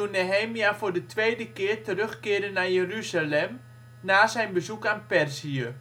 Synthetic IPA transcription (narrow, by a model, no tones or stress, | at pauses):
uneɦeːmiafʊːrdətʋeːdəkɪːrtərøxkɪəɾənːajəryzalɛm | naːzɛjnbəzukaːnpɛrziə